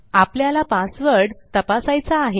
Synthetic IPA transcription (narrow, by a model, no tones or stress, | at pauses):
apljalapasʋəɾɽt̪əpasajt͡saːɦe